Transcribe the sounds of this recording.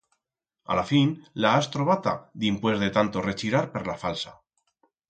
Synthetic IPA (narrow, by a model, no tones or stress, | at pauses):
a̰lafinlaːst̪ɾoβat̪a̰d̪impwe̞zðe̞t̪ant̪o̞re̞t͡ʃiɾaɾpeɾlafalsa